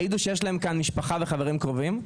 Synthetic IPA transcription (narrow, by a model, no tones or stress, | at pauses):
iduʃejeʃ̬lae̞mkanmiʃpaχaveχaveʁimkʁovim